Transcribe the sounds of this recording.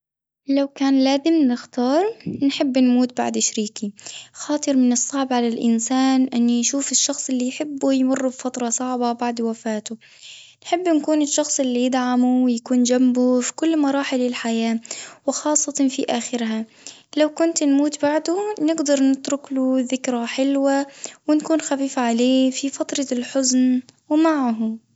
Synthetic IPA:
lawkaːnlaːzɪmnɪxt̪ɑːɾˤnħɪbːnmuːt̪̚ba̰ʕd̪ɪʃɾiːkixɑːt̪ˤɨɾmɪnɨsˤːɑʕbʕalalʔɪ̰nsaːnʔɪnːjʃuːfɪʃːɑxsˤʔɪlːijħɪbːujmʊrːubfat̪ɾˤɑsˤɑʕbɑbaʕd̪wafaːt̪ʊ | nħɪbːnkuːnɪʃːɑxsˤʔɪlːijɪd̪ʕamuwɪjakuːnd͡ʒambufi̥kʊlːmɑɾˤɑːħɪlɪlħajaːwɪxɑːsˤːɑt̪ɑfiʔaːxɪɾɦa | lawkʊnt̪nmuːt̪baʕd̪ʊnɪɡd̪ɑɾˤnɪt̪ɾʊkluðɪkɾaħɪlwawɪnkuːnxafiːfaʕaleːfifɑt̪ɾˤɑlħʊznwmaʕɦ

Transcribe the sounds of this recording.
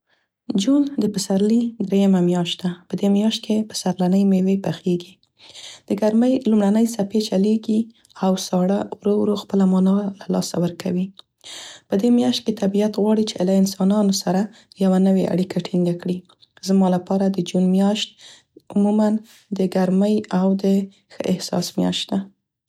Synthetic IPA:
d͡ʒund̪əpəsaɾlid̪ɾejamamjɑʃt̪d̪apəd̪emjɑʃt̪̚kepə̥saɾlanəjmewepaxeɡi | d̪̥əɡaɾməjlumɽanəjsapet͡ʃaleɡi | awsɑɽawɾowɾoxpəlamɑnɑlalɑ̰sa̰wəɾkʰawi | pəd̪emjɑʃt̪̚ket̪abiat̪ɣwɑɽit͡ʃelaɪnsɑnɑnosaɾajawanəwea̰ɽikʰaʈʰind̪akɽi | zmɑlapɑɾad̪əd͡ʒunmjɑʃt̪̚ | ʊmuman | d̪əɡaɾməjawd̪ə | xəʔɪhsɑ̰smjɑ̰ʃt̪d̪a

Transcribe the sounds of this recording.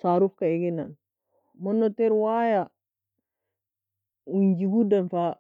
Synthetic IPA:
saɾufkaeɡinan | monːoteɾwaja | uɲd͡ʒiɡudanfa

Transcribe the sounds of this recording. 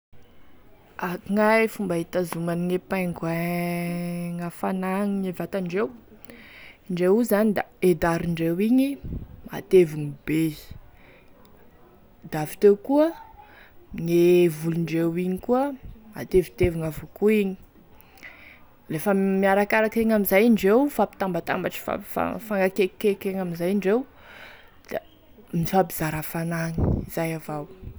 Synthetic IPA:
akuŋajfumbaɦit̪azumaniŋepajŋɡa | ŋafanaŋiɲevat̪aɳɖ͡ʐew | ɳɖ͡ʐewuzanid̪aed̪aɾiɳɖ͡ʐewiɲima̰t̪eviŋibe | d̪avi̥t̪ewkuə | ɲevuluɳɖ͡ʐewiɲikuəma̰t̪evit̪eviŋavokuiɲi̥ | lefəmiaɾakaɾakireŋamizajiɳɖ͡ʐewfapi̥t̪ambat̪a̰mbaʈ͡ʂi̥fa̰fa̰faŋɡakekekeŋamizajiɳɖ͡ʐew | d̪̥a | mifabiz̥aɾafanaŋi̥iz̥ajavaw

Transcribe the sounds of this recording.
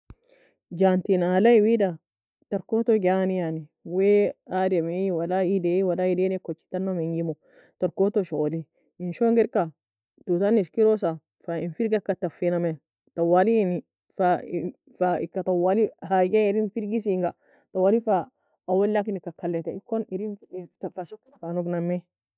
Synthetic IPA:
d͡ʒantinalaiwida | tɐɾkot̪oɡanijaniwɛademewalaidewalaidenɛkot͡ʃːi̥tanːameŋɡimo | taɾkot̪oʃoliː | nʃoŋɡɛɾka | tutaniskiɾos̬a | fainfiɾɡakatafːiname | tawaliini | fa | faikatawalihaɡeiɾinfiɾɡisiŋɡa | tawalifa | awalːak̬inikakalːɛteikːoniɾinfasokːfanuɡnamːe

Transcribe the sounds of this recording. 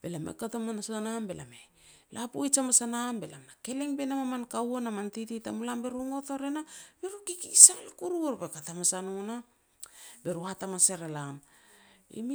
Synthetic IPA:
b̥e̞lamḛkatomanasaanambe̞̰la̰me | lʔapujt͡ʃamasanambe̞lamnake̞le̞ŋbe̞namamankawonamantititamulambe̞ɾuŋo̞toɾenab̥e̞ɾukikisalakuɾuoɾbekatamasanona | be̞ɾuatamaseɾelam | ḭmi

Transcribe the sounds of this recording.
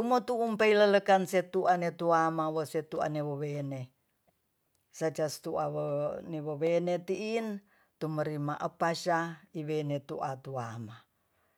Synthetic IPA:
t̪umot̪uumpeilələkanset̪uʔanet̪uamawoset̪ua̰neβoβene | sat͡ʃast̪uaoneβoβenet̪iʔin | t̪uməɾimaʔəpaʃaiwenet̪uʔat̪uama

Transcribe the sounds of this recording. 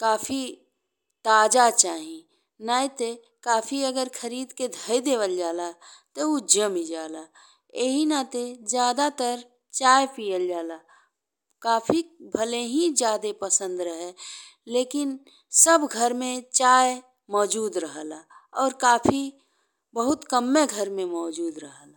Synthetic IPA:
kaːfʰi | t̪aːd͡ʒat͡ʃaːɦĩ | naːĩt̪e | kaːfʰiəɡəɾkʰəɾiːd̪ked̪ʱəid̪eːʋəld͡ʒaːlat̪oud͡ʒəmid͡ʒaːlaː | eɦinat̪ezjaːd̪at̪əɾ | t͡ʃaːjpijəld͡ʒaːla | kaːpʰibʱəleɦid͡ʒjaːd̪epəsə̃nd̪ɾəɦɛ | leːkɪn | səbɡʱəɾmẽt͡ʃaːj | mɔːd͡ʒuːd̪ɾəɦəlaːɔːɾkaːpʰi | bəɦʊt̪kəmːeɡʱəɾmẽmɔːd͡ʒuːd̪ɾəɦəla

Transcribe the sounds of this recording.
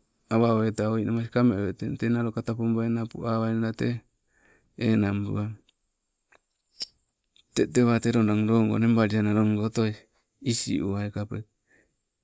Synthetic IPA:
aβaoetaojnʔamas̬ikameoetetenaɾokatapombaenapṵʔaβajnaɾateː | nambṵa | t̪eʔteβateɾondaŋɾoŋɡo̰nembaɾianaɾoŋɡotoj | isḭʔuaekape

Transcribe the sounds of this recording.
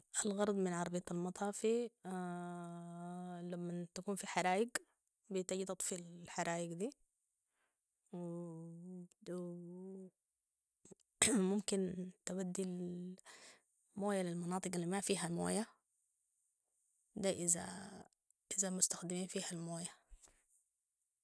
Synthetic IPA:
ʔalɣɑɾˤɑd̪ˤmɪnʕɑɾˤbiːt̪almɑt̪ˤʰɑːfi | lamːat̪akuːnfiħaɾˤaːjɪɡ | bit̪aɡit̪ɑt̪ˤfilalħaɾˤaːjɪɡd̪iː | w | mʊmkint̪abad̪ːil | moːjalilmɑnɑːt̪ˤɨqalːimafiːɦamo̰ːja | d̪aʔɪza̰ | ʔɪzamʊst̪ḁxd̪ɪmiːnfiːhalmoːja

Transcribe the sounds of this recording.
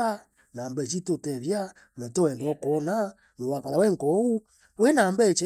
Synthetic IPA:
a | nambɛt͡ʃitotɛβja | ɛtowɛndɔkɔna | nowakaɾawɛŋkɔwu | wenambɛt͡ʃɛ

